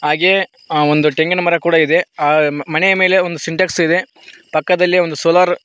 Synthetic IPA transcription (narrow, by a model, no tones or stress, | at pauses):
ɦaːɡe | ond̪uʈeŋɡɐnɐmɐɾɐkuːɽɐid̪e̞aːmɐnejɐme̞ːle̞ond̪usiɳʈɐːksid̪e̞ | pɐkːɐd̪ɐlːio̞nd̪usoːlaːɾ